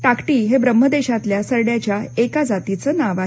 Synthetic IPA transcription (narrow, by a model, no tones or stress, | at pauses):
ʈakʈiːɦebɾəm̤ːəd̪eɕat̪ljasəɾɽjat͡ɕjaekad͡zat̪it͡səːnaʋa